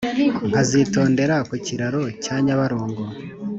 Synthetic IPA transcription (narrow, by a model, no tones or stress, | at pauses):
ŋkazito̞ːnde̞ɾakuciɾaɾo̞caːɲaβaɾoːŋɡo